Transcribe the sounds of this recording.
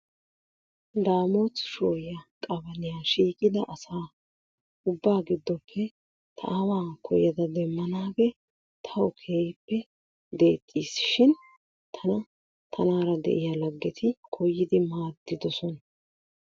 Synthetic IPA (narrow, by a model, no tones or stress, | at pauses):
d̪aːmoːt̪ʃoːjjɐkʼɐbɐnɪjaːʃiːkʼɪd̪ɐʔɐsaː | ʊbːaːɡɪd̪ːɔpʰːɛ | t̪ʰɐ̰ʔɐwaːkʰɔjɐd̪ɐd̪ɛmːɐnaːɡɛ | t̪ʰɐɔkʰe̞ːjpːɛ | d̪e̞ːt̪ʼːiːsʃɪn | t̪ʰɐnɐ | t̪ʰɐnaːɾɐd̪ɛ̰ʔɪjɐlɐɡːɛt̪ʰɪkʰɔjːɪd̪ɪmaːd̪ːɪd̪ɔsɔnɐ